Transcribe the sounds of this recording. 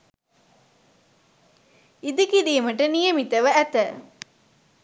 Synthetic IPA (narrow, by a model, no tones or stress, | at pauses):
id̪ikid̪iːməʈənijɐmit̪ɐʋəæt̪ə